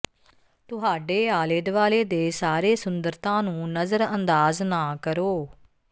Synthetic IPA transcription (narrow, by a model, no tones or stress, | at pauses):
t̪ʊɦaːɖeːaːleːd̪ʋaːleːd̪eːsaːɾeːsʊnd̪əɾt̪ãːnũːnəzəɾənd̪aːznaːkəɾoː